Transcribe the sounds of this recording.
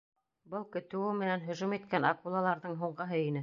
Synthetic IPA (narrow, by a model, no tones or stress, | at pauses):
bɤlˠkɵ̆t̪ɘ̆wɘmɘ̆nænɦɵ̆ʒumit̪kænɑ̰kulˠɑlˠɑɾðɤɴɦuɴɢɤ̆ɦɤinɘ